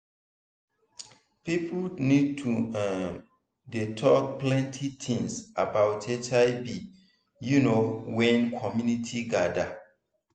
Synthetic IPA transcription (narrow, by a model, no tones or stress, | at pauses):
pipʰlnid̚tʰua | detʰɔk̚plɛ̃ntʰitʰĩŋsabaʊtʰet͡ʃaɪbi | junowɛ̃nkʰɔmjunitʰiɡada